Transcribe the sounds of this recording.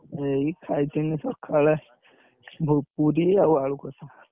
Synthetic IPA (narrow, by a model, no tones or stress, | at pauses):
eikʰajt̪inisɔkʰalɛ | bʱɔpuɾiawaɭukɔt̪ʰa